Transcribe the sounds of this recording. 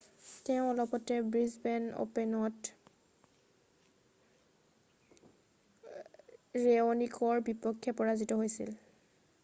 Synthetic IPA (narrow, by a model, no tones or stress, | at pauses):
tɛʊ̃ɔlɔpɔtɛbɹizbɛno̰pɛnɔt | ɹeɔnikʰɔɹbipɔkʰːjɛpɔɹazitɔɦojsḭl